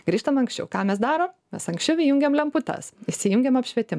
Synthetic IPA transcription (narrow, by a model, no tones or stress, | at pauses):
ɡ̥ɾʲiːʃt̪ɐmɐŋksʲt͡ʃʲɛ̰ʊkɑːmʲɛs̬d̪ɑːɾoːmmʲɛsɐŋksʲt͡ʃʲɛʊʋʲɪjʊŋʲɡʲeːmlʲɛmpʊt̪ɐ̰sɪʃsʲɪjuŋʲɡʲeːmɐpʲʃʲʋʲiɛt̪ʲɪm